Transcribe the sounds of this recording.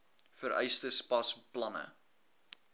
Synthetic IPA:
fəɾʔɛ̰jstəspɐsplɐnə̰

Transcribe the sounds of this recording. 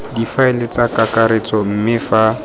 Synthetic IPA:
difaɪlɪt͡sakakaɾet͡sɔm̩mɪfa

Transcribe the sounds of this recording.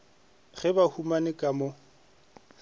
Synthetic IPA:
ɣɛbahumanɪkʼamʊ

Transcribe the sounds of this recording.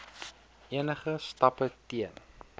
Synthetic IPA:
ʔiənəχəstɐpətiən

